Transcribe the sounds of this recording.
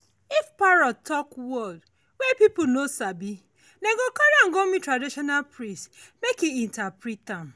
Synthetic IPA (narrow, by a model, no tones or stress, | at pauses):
ifpaɾɔtʰɔkwɔd | wɛpipunosabi | neɡokaɾaŋ̩ɡomitɾadiʃɔnalpɾĩstmekiintapɾitam̩